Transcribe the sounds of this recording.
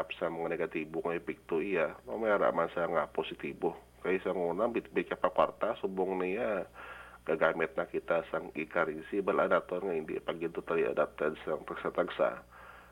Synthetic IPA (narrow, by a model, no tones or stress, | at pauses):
apsamŋəneɡat̪ibʊŋaipik̚t̪uijamamajaɾa̰ʔmansaŋapɔsit̪ibʊh | kajisaŋunaŋbibit͡ʃapakwa̰rt̪asubʊŋnija | ɡaɡamɛt̪̚nakit̪asaŋikaɾinsibala̰nat̪ɔnŋaindḭpaɡint̪ut̪alia̰dap̚t̪ansaŋt̪əksat̪əksa̰